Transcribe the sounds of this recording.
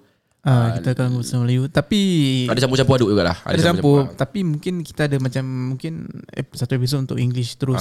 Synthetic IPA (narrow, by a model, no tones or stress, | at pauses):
əkit̪akalaŋɡusalajut̪apiadat͡ʃamput͡ʃampuhaduʔd͡ʒuɡaʔla̰ha̰dadat͡ʃampʊt̪apimuŋkɪnki̥t̪aːdamat͡ʃamːuŋkɪnḛsat̪uepis̬ot̪unt̪ʊkiŋɡlɪʃt̪əɾʊs